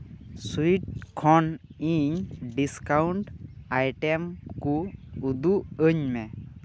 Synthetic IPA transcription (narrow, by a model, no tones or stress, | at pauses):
suiʈ̚kʰɔniɲɖiskawɳʈajʈɛmkuːd̪uʔəɲmɛ